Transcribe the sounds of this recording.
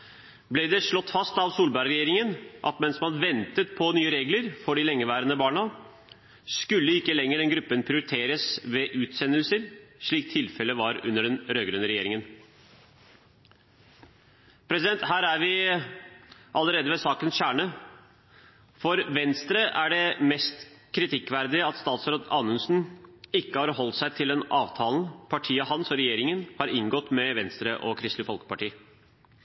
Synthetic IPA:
blɪd̪ɛʂɭɔt̪ːfɑst̪ɑʋsuːlbæɾɾɛjeːɾɪŋənʔɑ̰t̪mɛnsmɑnʋɛnt̪ət̪̚pʰɔnyːəɾeːɡləɾfɔɖɪlɛŋːəʋæːɾənəbɑːɳɑ | skʉlːəɪkːəlɛŋːəɖɛnɡɾʉpːənpʰɾɪʊɾɪt̪ʰeːɾəsʋɛʔʉːt̪sɛnːəlsəɾʂɭiːk̚t̪ʰɪlfɛlːəʋɑɾʉ̰nːəɖɛnɾøːɡɾʉnəɾɛjeːɾɪŋən | pʰɾɛsɪd̪ɛnt̪hæːɾæɾʋɪ | ʔɑləɾeːd̪əʋɛsɑːkənsɕæːɳə | fɔɾʋɛnst̪ɾəʔæɖɛmɛst̪kʰɾɪt̪ʰɪkːʋæɾd̪ɪəɑt̪st̪ɑːt̪sɾoːd̪ɑːnʉnsn̩ɪkːəhɑɾhɔlt̪sæɪt̪ʰɪld̪ɛnɑːʋt̪ʰɑːln̩pʰɑʈʰiːəɦɑnsɔɾɛjeːɾɪŋənhɑɾɪŋɡɔt̪mɛʋɛnst̪ɾəʔɔkʰɾɪst̪ɪfɔlkə̥pɑʈiː

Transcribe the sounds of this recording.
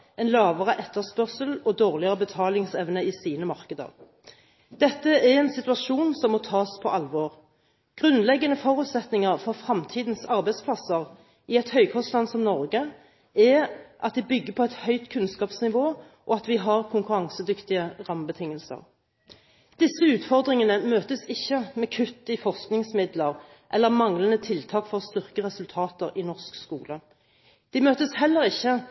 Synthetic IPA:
ɛnlɑːʋəʁəʔɛt̪ːəʁspœʁsəlɔd̪oːʁlɪəʁəbət̪ʰɑːlɪŋsɛʋnəiːsiːnəmɑʁkəd̪ə̰ʁ | d̪̥ɛt̪ːəɛʁɛnsɪt̪ʉɑʃuːnsɔmːɔt̪ʰɑːspʰɔʔɑlʋoːʁ | ɡ̥ʁʉnlɛɡːənəfɔʁʉːt̪sɛt̪nɪŋəʁfɔʁfʁɑmt̪ʰiːd̪nsɑʁbæɪspʰlɑsəʁ | ɪɛt̪hœʏkʰɔst̪lɑnsɔmnɔʁɡə | ɛʔɑt̪̚d̪ɪbʏɡːəpʰɔɛt̪hœʏt̪kʰʉnskɑːpsnɪʋoː | ʔɔɑt̪ʋɪɦɑʁkʰʊŋkʉɾɑŋsəd̪ʏkt̪ɪəʁɑmbət̪ʰɪŋːəlsə̰ʁ | d̪̥ɪsəʉːt̪fɔʁd̪ʁɪŋənəmøːt̪əsɪçːəmɛkʰʉt̪ːɪfɔʁsknɪŋsmɪd̪ləʁ | ʔɛlːəʁmɑŋlənət̪ʰɪlt̪ʰɑːkfɔʁst̪ʏʁkəʁɛsʉlt̪ʰɑːt̪əʁɪnɔʁskskuːlə | d̪̥ɪmøːt̪əshɛlːəʁɪçːə

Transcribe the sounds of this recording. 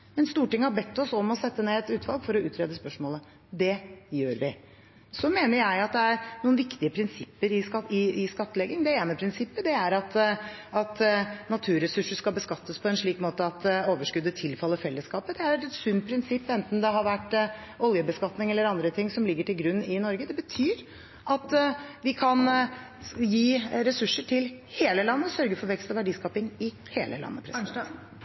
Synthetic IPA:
mɛnst̪uːʈɪŋːəhɑbɛt̪ːɔsɔmɔsɛt̪ːəneːɛt̪ʉːt̪ʰʋɑlɡfɔɾɔʉːt̪ʰɾeːd̪əspœʂmoːlə | d̪ɛjøːɾʋɪ | sɔmeːnəɾjæɪɑt̪̚d̪ɛæɾɳuːənʋɪkt̪ɪəpʰɾɪnsɪpːəɾɪɑɪɪskɑt̪ːəlɛɡɪŋd̪ɛeːnəpʰɾɪnsɪpːəd̪ɛæɾɑt̪ɑt̪nɑt̪ʰʉːɾɛsʉʂəskɑlbəskɑt̪ːəspʰɔɛnʂɭiːkmoːt̪əɑt̪oːʋəʂkʉd̪ːət̪ʰɪlfɑlːəfɛlːəskɑːpəd̪ɛæɾɛt̪ɛt̪sʉnt̪̚pʰɾɪnsɪpːɛnt̪n̩d̪ɛɦɑɾʋæʈː | ɔljəbəskɑt̪nɪŋɛlːəɾɑnd̪ɾət̪ʰɪŋsɔmlɪɡːəʈɪlɡɾʉnːɪnɔɾɡəd̪ɛbət̪ʰyːɾ | ʔɑt̪ʋɪkʰɑn | jiːɾɛsʉʂːəʈʰɪlheːləlɑnːəsœɾɡəfɔʋɛkst̪ɔʋæɖiːskɑːpɪŋɪ | heːlə̰lɑ̰nːə̰pʰɾɛs

